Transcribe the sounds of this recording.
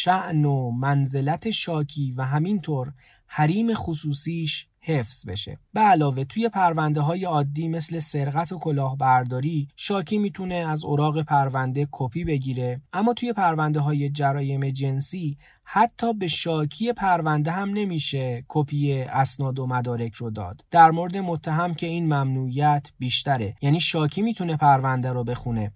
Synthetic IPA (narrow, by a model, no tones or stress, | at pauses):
ʃæʔnomænze̞læt̪ʰe̞ʃɒːcʰiːvæɦæmint̪ʰoːɾ | hæɾiːme̞xusuːsiːʃ | he̞fz̥be̞̰ʃḛb̥eælɒːve̞t̪ʰuːje̞pʰæɾvænd̪eɦɒːje̞ɒːd̪ːiːme̞sle̞se̞ɾɣæt̪ʰo̞kʰo̞lɒːhbæɾd̪ɒːɾiːʃɒːcʰiːmiːt̪ʰune̞æzoɾɒːɣe̞pʰæɾvænd̪e̞kʰopʰiːbe̞ɟiːɾe̞ʔæmːɒːt̪ʰuːje̞pʰæɾvænd̪e̞ɦɒːje̞d͡ʒæɾɒːje̞me̞d͡ʒe̞nsiː | hæt̪ʰːɒːbe̞ʃɒːcʰije̞pʰæɾvænd̪eɦæmne̞miːʃe̞kʰopʰije̞ʔæsnɒːd̪omæd̪ɒːɾe̞cʰrod̪ɒ̰ːd̪̥d̪̥æɾmoɾed̪e̞mot̪ʰːæɦæmcʰe̞iːnmæmnuːijæt̪ʰbiːʃt̪æɾejæːniːʃɒːcʰiːmiːt̪ʰune̞pʰæɾvænd̪eɾobe̞xune̞